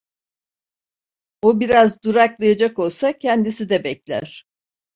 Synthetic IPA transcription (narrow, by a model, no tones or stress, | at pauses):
obiɾazd̪uɾaklˠajad͡ʒako̞lˠsacʰɛnd̪isid̪ɛbɛclʲæ̰ɾ̥